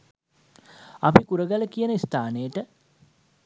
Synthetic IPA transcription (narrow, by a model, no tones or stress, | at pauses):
apikuɾəɡæləkijənəist̪aːnejəʈə